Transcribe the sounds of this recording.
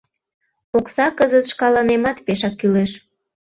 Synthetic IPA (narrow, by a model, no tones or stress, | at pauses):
poksɑkəzət̪ʃkɑlɑnemɑt̪peʃɑkːyleʃ